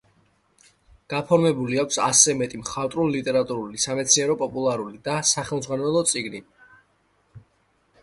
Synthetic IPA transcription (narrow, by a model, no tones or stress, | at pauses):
ɡ̥apʰɔɾmɛbuliakʷʰsasɛmɛt̪ʼimχat̪ʼɾunlit̪ʼɛɾat̪ʼuɾulisamɛt̪sʰniɛɾɔpʼɔpʼulˠaɾulid̪asaχɛlˠmd̪zʁwanɛlˠɔt̪sʼiɡni